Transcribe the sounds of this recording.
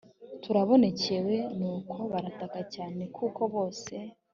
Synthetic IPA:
tuɾaβo̞ne̞ce̞we̞nuːkʰo̞βaɾatakacaːne̞kʰuko̞βo̞ːse̞

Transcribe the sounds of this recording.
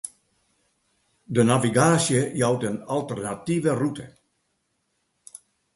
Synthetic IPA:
dənaviɡaːsjəjawtənalˠtərnativərutʰə

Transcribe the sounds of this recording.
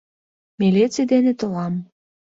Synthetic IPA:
melet͡sed̪enĕt̪olɑm

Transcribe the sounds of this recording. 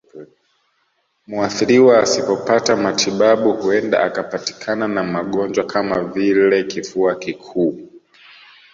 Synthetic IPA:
muaθiɾiwaːsipɔpatamatʰiɓaɓuhuɛnda̰ʔakapati̥kʰananamaɠɔnd͡ʒwakʰamavilɛkifuakikʰuː

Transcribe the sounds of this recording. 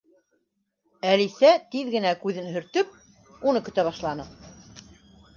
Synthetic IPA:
ælisæt̪iðɡɘ̆nækʉðɘnhɵ̆ɾt̪ɵp̚ | unɤkɵ̆t̪æβɑʃlˠɑnɤ

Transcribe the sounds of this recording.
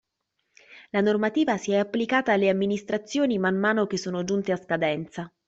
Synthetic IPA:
lanormat̪iːvasiɛapːlikaːt̪aːlːeamːinist̪ɾat̪sːjoːnimanːaːnok̟esːoːnod͡ʒunt̪easkad̪ɛnt̪sa

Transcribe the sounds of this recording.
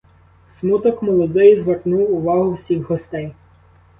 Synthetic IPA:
smut̪ɔkmɔlˠɔd̪ɪjzʋɐknuwʊʋɑɦʊwsʲixɦɔst̪ɛj

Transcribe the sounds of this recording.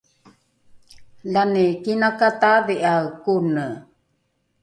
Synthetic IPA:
lanikinakat̪aviʔawkunə

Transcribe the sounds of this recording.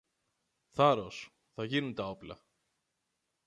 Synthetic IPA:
θɐɾo̞s | θɐʝinunt̪ɐo̞plɐ̰

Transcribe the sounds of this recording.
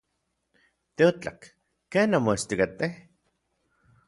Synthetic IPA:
t̪eot͡ɬa̰kː | eːnamoest̪ikat̪eh

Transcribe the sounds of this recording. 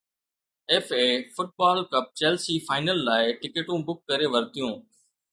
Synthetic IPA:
eːfeːfʊʈ̚baːlkəp̚t͡ʃeːlsiːfʰaːɪnəlːaːɪʈɪkeːʈũːbʊkːəɾeːʋəɾt̪ɪjõː

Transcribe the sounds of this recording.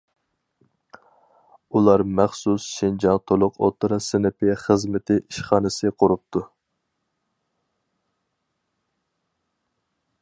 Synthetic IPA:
ulˠɑɾmæχsusʃind͡ʒɑnt̪ʰolˠʊqo̰t̪ʰɾɑsɪnɪpʰɪχəzmɪt̪ʰɪʔiʃχɑːnɨsɨqʰʊɾup̚t̪ʰu

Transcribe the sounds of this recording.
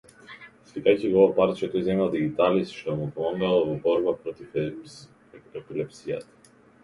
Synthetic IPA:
slikajcivɔvapaɾt̪t͡ʃɛt̪ɔjzɛmalˠd̪iɡit̪alist̪ʃt̪ɔmupɔmaɡalˠvɔbɔɾbapɾɔt̪if | ɛpilɛpsija̰t̪ḁ

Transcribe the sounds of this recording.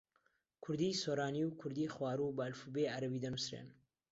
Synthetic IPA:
kʰʊɾd̪iːsoːɾaːniwkʰʊɾd̪iχwaːɾubɐlfubeʔaɾɐbiːd̪ɐnusɾḛn

